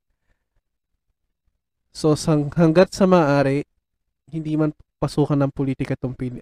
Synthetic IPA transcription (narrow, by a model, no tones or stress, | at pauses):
sosɐhɐŋɡat̪̚sɐmɐʔaːɾɪ | hɪnd̪iːmɐnpɐsuːkɐnɐŋpoliːt̪ɪkɐt̪ʊmpil